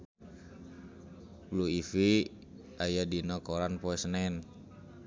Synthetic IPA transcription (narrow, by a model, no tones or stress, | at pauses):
bluifi | ajadinɔkoɾanpoɛsnɛn